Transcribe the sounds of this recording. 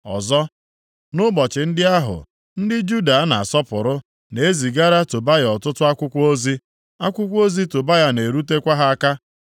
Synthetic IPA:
ɔ̰˨zɔ˦ | nʊ˦bɔ˨t͡ʃɪ˨n̩˦dɪ˦a˦ɦʊ̰˨ | n̩˦dɪ˦d͡ʒu˦da˨a˦na˨a˨sɔ˦pʊ˨ɾʊ˦ | ne˨e˦zi˨ɡa˦ɾa˦to˨ba˦jɔ˨tʊ˦tʊ˦a˦kʷʊ˦kʷo˦zi˦ | a˦kʷʊ˦kʷo˦zi˦to˨ba˦ja˦ne˨ɾu˦te˦kʷa˦ɦa˦a˦ka˦

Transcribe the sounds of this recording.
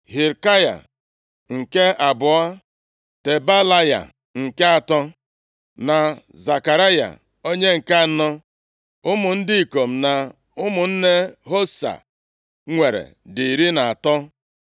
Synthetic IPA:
ɦi˨ɾka˦ja̰˨ | ŋ̩˨ke˦a˨bʊ˨a˦ | te˨ba˦la˦ja̰˨ | ŋ̩˨ke˦a˨tɔ˦ | na˨ | za˨ka˨ɾa˦ja̰˨ | o˦ɲe˦ŋ̩˨ka˦a˨nɔ˦ | ʊ˦mʊ˨n̩˦dɪ˦i˨ko˨m̩˨na˨ | ʊ˦mʊ˨n̩˦ne˦ɦo˦sa̰˨ | ŋʷe˨ɾḛ˨di˨ɾi˦na˨a˨tɔ˦

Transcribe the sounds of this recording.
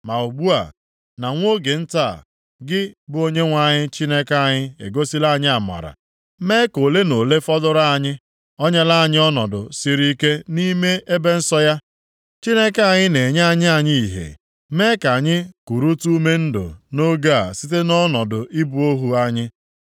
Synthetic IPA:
ma˨u˨ɡ͡bu˦a̰˨ | na˨ŋʷ˦o˦ɡe˨n̩˦ta˦˨ | ɡɪ˦bʊ˦o˦ɲe˦ŋʷa˨ɲɪ˦t͡ʃi˦ne˦ka˦˨ɲɪ˦ḛ˨ɡo˦si˦la˦˨ɲɪ˦a˨ma̰˨ɾa̰˨ | me˦ko˨le˦no˨le˦fɔ˦dʊ˦ɾa˦a˦˨ɲɪ˦ | ɔ˦ɲa˦la˦a˦˨ɲɪ˦ɔ˦nɔ˨dʊ̰˨si˦ɾi˦ke˦ni˦me˦e˦be˦n̩˦sɔ˦ja˦ | t͡ʃi˦ne˦ka˨ɲɪ˦ne˨ɲ˦a˨ɲɪ˦a˨ɲɪ˦i˨ɦḛ˨ | me˦ka˨ɲɪ˦ku˨ɾu˦tu˦me˦n̩˦do̰˨no˦ɡa˦a̰˨sɪ˦t̬e˦nɔ˦nɔ˨dʊ˨i˦bu˨o˦ɦu˨a˦ɲɪ˦

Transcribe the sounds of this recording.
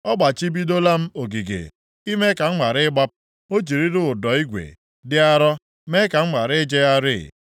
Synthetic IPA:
ɔ˦ɡ͡ba˨t͡ʃi˦bi˦do˦la˦m̩˦o˨ɡi˨ɡḛ˨ | i˦me˦ka˨ŋ͡m̩˦ŋa˨ɾɪ˦ɡ͡ba˦p̚ | o˦d͡ʒi˨ɾi˦ɾʊ˦ʊ˨dɔ˨˦i˦ɡʷḛ˨ | dɪ˦a˦ɾɔ˦ | me˦ka˨ŋ͡m̩˦ma˨ɾɪ˦d͡ʒe˦a˦ɾɪ̰˦˨

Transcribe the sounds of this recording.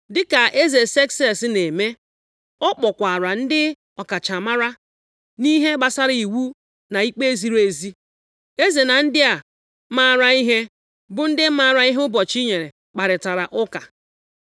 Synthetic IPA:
dɪ˦ka˨ʔe˦ze˨se˦ksɛ˦˨sne˨me˦ | ɔ˦k͡pɔ˨kʷa˨ɾa˨n̩˦dɪ˦ | ɔ˨ka˨t͡ʃa˨ma˦ɾa˦ | ni˦ɦe˦ɡ͡ba˨sa˦ɾi˨wu˦ | na˨i˦k͡pe˦e˦zi˨ɾe˨zi˦ | e˦ze˨na˨n̩˦dɪ˦a˨ | ma˦˨ɾa˨i˦ɦe˦ | bʊ˦n̩˦dɪ˦ma˦˨ɾa˨i˦ɦʊ˦bɔ˨t͡ʃi˦ɲe˨ɾe˨ | k͡pa˨ɾɪ˨ta˨ɾa˨ʔʊ˦ka˨

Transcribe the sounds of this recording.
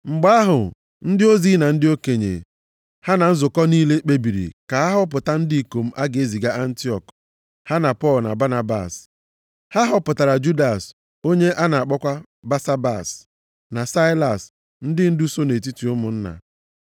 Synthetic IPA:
ŋ͡m̩˨ɡ͡ba˦ɦʊ˨ | n̩˦dɪ˦o˦zi˦na˨n̩˦dɪ˦o˦ke˨ɲḛ˨ | ha˦na˨n̩˦zʊ˨kɔ˦niː˦le˦k͡pe˦bi˨ɾḭ˨ka˨a˦ɦʊ˦p̬ʊ˨ta˦n̩˦di˦i˨ko˨m̩˦ʔa˦ɡe˦zi˨ɡa˦ʔa˦n̩˦ti˦ɔ̰˨k | ha˦na˨pɔ˦˨lna̰˨ba˦na˦ba̰˨s | ha˦ɦʊ˦pʊ˨ta˨ɾa˨d͡ʒu˦da˨s | o˦ɲe˦ʔa˦na˨a˨k͡pɔ˦kʷa˦ | ba˦sa˦ba̰˨s | na˨sa˦la̰˨s | n̩˦dɪ˦n̩˦du˦so˦ne˨t̬i˦ti˨ʊ˦mʊ˨n̩˦na̰˨

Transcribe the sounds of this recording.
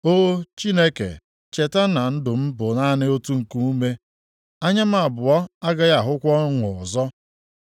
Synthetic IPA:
o˦t͡ʃi˦ne˦kḛ˨ | t͡ʃe˨ta˦na˨n̩˦dʊ˨m̩˦bʊ˨na˦nɪ˦o˦tu˦ŋ̩˨ku˦u˦me˦ | a˦ɲa˦m̩˦a˨bʊ˨ɔ˦a˦ɡa˦ɣa˨ɦʊ˦kʷɔ˦ŋʊ˨zɔ˦

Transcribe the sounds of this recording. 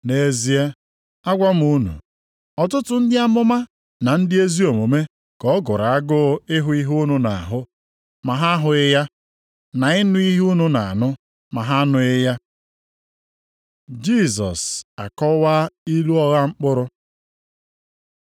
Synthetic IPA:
ne˨zi˨˦e˦ | a˦ɡʷa˦m̩˨u˦nṵ˨ | ɔ˨tʊ˦tʊ˨˦n̩˦dɪ˦a˦mʊ˦ma˦ | na˨n̩˦dɪ˦e˦zi˦o˨mo˨me˦ | kɔ˨˦ɡʊ˨ɾa˨a˦ɡʊ˦ɪ˦ɦʊ˦i˦ɦuu˦nu˨na˨a˨ɦʊ˦ | ma˨ɦa˦ɦʊ˨ɪ˦ja˦ | na˨ɪ˦nʊ˦i˦ɦu˦nu˨na˨a̰˨nʊ˦ | ma˨ɦa˦nʊ˦ɪ˦ja˦ | d͡ʒi˦˨sɔ̰˨sa̰˨kɔ˦wa˦i˦lu˦ɔ˦ɣa˦ŋ͡m̩˦k͡pʊ˦ɾʊ˦

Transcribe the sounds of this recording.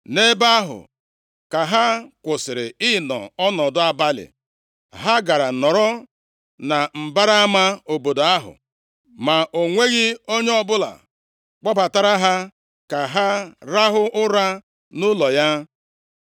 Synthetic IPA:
ne˦ba˦ɦʊ̰˨ | ka˨ɦa˦kʷʊ˨sɪ˨ɾɪ˨ɪ˦nɔ̰˨ɔ˦nɔ˨dʊ˦a˨ba˦lɪ̰˨ | ɦa˦ɡa˨ɾa˨nɔ˨ɾɔ˦ | na˨m̩˨ba˦ɾa˦a˦ma˦o˨bo˨do˨a˦ɦʊ̰˨ | ma˨ʔo˨ŋʷe˦ɣɪ˦o˦ɲe˦ɔ˦bʊ˦la̰˨ | k͡pɔ˦ba˨ta˨ɾa˦ɦa˦ | ka˨ɦa˦ɾa˦ɦʊ˦ʊ˦ɾa˦ | nʊ˦lɔ˨ja˦

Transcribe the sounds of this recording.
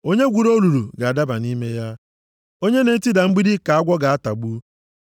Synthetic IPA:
o˦ɲe˦ɡʷu˨ɾo˦lu˨ɾu˨ɡa˨a˨da˦ba˨ni˦me˦ja˦ | o˦ɲe˦ne˨n̩˦ti˦da˨ŋ͡m̩˦ɡ͡bi˦di˦ka˨a˦ɡʷɔ˦ɡa˨a˦ta˨ɡ͡bu˦

